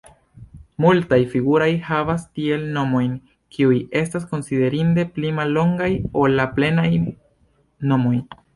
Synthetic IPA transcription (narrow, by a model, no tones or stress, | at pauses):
multajfiɡuɾo̞jhavastie̞lno̞mo̞jn | kʰiuje̞stas̬ko̞nside̞ɾinde̞plimalːo̞ŋɡajolːaple̞naj | no̞mo̞j